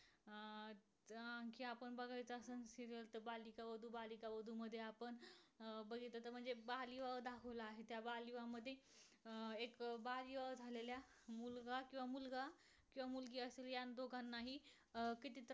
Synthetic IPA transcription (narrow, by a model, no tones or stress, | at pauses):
ãŋkiapəɳbəɡʱajt͡sasəñsit̪elt̪əbalikaʋəd̪ʱuːbalikaʋəd̪ʱuməd̪ʱːjeapəɳbəɡit̪ət̪əm̤əɳd͡zebaliʋawd̪akʰəʋlaːɦet̪jabaliʋaməd̪ʱːje | ekbaliʋaʋd͡zʱalelja | mulɡakĩw̃ʋamulɡa | kĩw̃ʋamulɡiːəseljand̪oɡʱanːaɦi | kit̪it̪